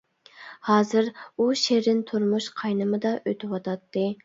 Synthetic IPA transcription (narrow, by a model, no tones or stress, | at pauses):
hɑːzɨɾuʃeɾɪnt̪ʰuɾmuʃqʰɑjnɨmɨd̪ɑʔøt̪ʰɪwɑt̪ɑt̪ːɨ